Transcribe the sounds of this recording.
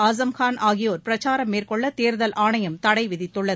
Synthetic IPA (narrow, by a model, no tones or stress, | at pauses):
aːzɐmxaːnʔaːɣɪjoːɾpɪɾɐt͡ʃaːɾɐmːeːrkɔɭːɐt̪eːɾðɐlʔaːɳɐjɐmt̪ɐɽɐɪʋɪðɪt̪ːɯɭːɐð